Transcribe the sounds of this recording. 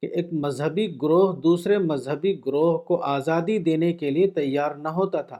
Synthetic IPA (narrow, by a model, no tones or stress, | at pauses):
keʔeːk̚mɐzɦəbiɡʊɾoːɦd̪uːsɾemɐzɦəbiɡɾoːɦkoʔaːzaːd̪id̪eːnekeliet̪ɐjːaːɾnɐɦoːt̪at̪ʰaː